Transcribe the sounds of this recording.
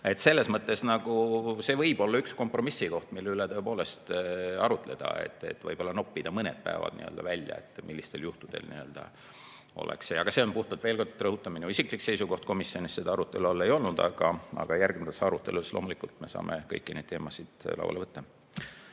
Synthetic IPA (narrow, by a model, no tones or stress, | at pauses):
e̞t̪se̞lːe̞smɤt̪ˑːe̞snɑɡ̥use̞vɤjb̥o̞lːɑyksko̞mpro̞misːiko̞ht̪milːeylet̪ɤ̞e̞po̞ːle̞st̪ɑɾut̪ˑle̞̰d̪̥ɑ̰e̞̰t̪ːe̞̰t̪ːvɤ̰jb̥olːɑno̞pːid̪̥ɑmɤne̞̰d̪̥̚pæ̰evɑ̰d̪̥niø̰ld̪ɑvælʲjɑ̰et̪ːˑmilːist̪e̞ljuht̪ud̪̥e̞̰lnḭø̞ld̪̥ɑ̰ | o̞̰lḛksejɑɡ̥ɑse̞onpuht̪ɑd̪̥ve̞ːlko̞rd̪̥rɤɦut̪ːˑɑmineisiklikse̞jsuko̞ht̪̚ko̞misːjo̞nissed̪ɑɑɾut̪ːˑe̞luɑlːe̞jo̞lnud̪ɑ̰ɡ̥ɑɑ̰ɡ̥ɑjærɡmd̪sɑɾut̪ːˑe̞lusloːmulikˑult̪me̞sɑ̰ːmekɤjkːˑine̞̰d̪̚t̪eːmɑsid̪̥lɑ̰wɑleɤt̪ːɑ